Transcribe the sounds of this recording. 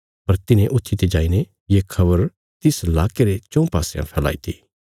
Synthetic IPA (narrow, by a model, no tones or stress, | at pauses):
pɐɾt̪ɪnẽʔʊt̪ʰːit̪ed͡ʒaːine | jeːkʰɐbəɾ | t̪ɪslaːkeɾet͡ʃɔ̃ũpaːsejã̰pʰɛːla̰ːit̪ʰiː